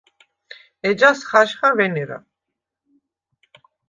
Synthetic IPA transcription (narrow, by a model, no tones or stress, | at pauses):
ɛd͡ʒasχaʃχavɛniɾa̰